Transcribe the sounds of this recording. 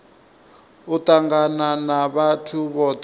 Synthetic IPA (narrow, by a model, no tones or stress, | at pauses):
ut̪aŋɡananaβatʰuβɔt